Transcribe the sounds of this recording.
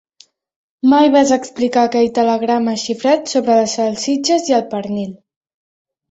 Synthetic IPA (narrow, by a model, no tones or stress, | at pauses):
majβazəksplikaːkɛʎt̪ələɣɾaməʃifɾat̪soβɾəəsalˠsid͡ʒəziəlˠpəɾnil